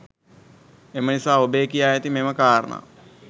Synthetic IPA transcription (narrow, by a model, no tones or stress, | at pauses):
emənisaːobeːkijaːjet̪imeməkaːɾə̰na̰